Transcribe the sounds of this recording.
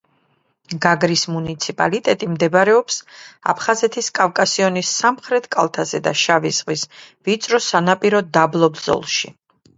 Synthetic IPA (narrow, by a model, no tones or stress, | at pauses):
ɡaɡɾismunit̪sʰipʼa̰lit̪ʼɛt̪ʼimd̪ɛbaɾɛɔpsa̰pʰχazɛt̪ʰiskʼafkʼasiɔnisːamχɾɛt̪ʰkʼa̰lˠt̪ʰazɛd̪a̰ʃavizʁvisvit̪sʼɾɔsanapʼiɾɔd̪ablˠɔbz̥ɔ̰lˠʃḭ